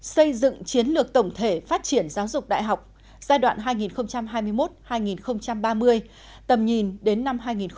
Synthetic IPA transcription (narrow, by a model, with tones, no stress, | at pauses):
sə˧jzɨ̰˧˨ŋt͡ɕi˨˦ənlɨ˨˩ək̚t̪ə˧˩wŋ͡mt̪ʰe˧˩faː˦˥t̚t͡ɕi˧˩ənzaː˨˦wzʊ˨˩k͡p̚ɗa̰ː˧˨jɦa˨˩wk͡p̚ | z̥aː˧jɗwa̰ː˧˨nɦaː˧jŋi˨˩nxə˧wŋ͡mt͡ɕa˧mɦaː˧jmɨ˧əjmo˦˥t̚haː˧jŋi˨˩nxə˧wŋ͡mt͡ɕa˧mɓaː˧mɨ˧əj | t̪ə˨˩mɲi˨˩nɗe˨˦nːa˧mɦaː˧jŋi˨˩n